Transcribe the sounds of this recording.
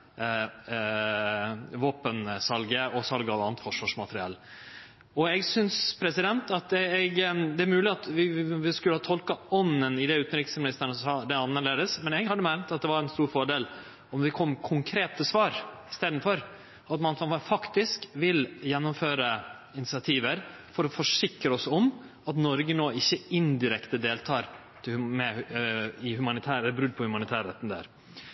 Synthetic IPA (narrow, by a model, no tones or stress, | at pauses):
ʋoːpənsɑlɡəɔsɑlɡɑʋɑnət̪fɔʂʋɑʂmɑt̪ɾɪɑ̰l | ɔɛɡsʏnspʰɾɛsɪd̪ɛnt̪ɑt̪ɛɛɡd̪ɛæɾmʉːlɪɑt̪ʋɪʋɪskʉləhɑːt̪ʰɔlkɑɔnːənɪd̪ɛʉːt̪nɾɪksmɪnɪst̪əɳəsɑːd̪ɛɑnːəɾɭeːd̪əsmɛnɛhɑd̪əmæɾmt̪ɑt̪̚d̪ɛʋɑɾɛnst̪uːɾfɔɖeːl | ɔmd̪ɪkʰɔmːkʰʊŋkʰɾeːt̪əsʋɑːɾɪst̪eːd̪nfɔɾ | ɑt̪mɑnnfɑkt̪ɪskʋɪljɛnːʊmføːɾə | ɪnɪt̪sɪɑt̪ʰiːʋəɾfɔɾɔfɔʂɪkɾəɔsɔm | ɑt̪nɔɾɡənoːɪçːəɪnd̪ɪɾɛkt̪əd̪eːlt̪ʰɑːɾ | t̪ʰɪlmɛ | ɪhʉmɑnɪt̪ʰæːɾɛlːbɾʉd̪ːpʰɔhʉmɑnɪt̪ʰæːɾɛ̰t̪ːn̩d̪æ̰ːɾ